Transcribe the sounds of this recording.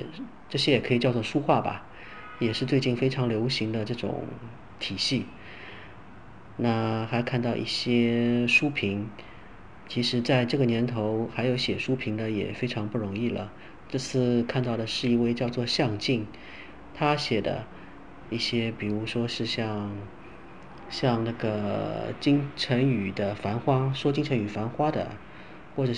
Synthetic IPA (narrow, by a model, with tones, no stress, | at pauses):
ʈ͡ʂɤ˥˩ɕjɛ˥jɛ˨˩kʰɤ˧˥i˨˩t͡ɕjɑ˥˧ʊt͡swɔ˥˩ʂu˥xwa˥˩bɐ̰˩ | jɛ˨˩ʂɻ̩˥˧t͡swe˥˧ɪt͡ɕi˥˩nfe˥ɪʈ͡ʂʰɑ˧˥ŋljo˧˥ʊɕi˧˥ŋd̪ə˧ʈ͡ʂɤ˥˩ʈ͡ʂʊ̰˨˩ŋŋ | t̪ʰi˨˩ɕi˥˩ | na˥˩xa˧˥ɪkʰa˥˧nt̪ɑ˥˧ʊʔḭ˥˩ɕjɛ˥ʂu˥pʰi˧˥ŋ | t͡ɕʰi˧˥ʂɻ̩˧˥t͡sa˥˧ɪʈ͡ʂɤ˥˩ɡə˩njɛ˧˥nt̪ʰo˧˥ʊxa˧˥ɪjo˧˥ʊɕjɛ˨˩ʂu˥pʰi˧˥ŋd̪ə˧jɛ̰˨˩fe˥ɪʈ͡ʂʰɑ˧˥ŋpu˥˩ɻʊ˧˥ŋi˥˩lə̰˩ | ʈ͡ʂɤ˥˧t͡sʰɹ̩˥˧kʰa˥˧nt̪ɑ˥˩ʊd̪ə˩ʂɻ̩˥˧i˥˧we˥˧ɪt͡ɕjɑ˥˧ʊt͡swɔ˥˧ɕjɑ˥˧ŋt͡ɕi˥˩ŋ | t̪ʰa˥ɕjɛ˨˩d̪ə̰˦ | i˥˩ɕjɛ˥pi˨˩ɻu˧˥ʂwɔ˥ʂɻ̩˥˧ɕjɑ˥˧ŋ | ɕjɑ˥˧ŋna˥˩ɡə˩t͡ɕi˥ŋʈ͡ʂʰə˧˥ny˨˩d̪ə˦fa˧˥nxwa˥ʂwɔ˥t͡ɕi˥ŋʈ͡ʂʰə˧˥ŋy˨˩fa˧˥nxwa˥d̪ə̰˨ | xwɔ˥˩ʈ͡ʂɤ˨˩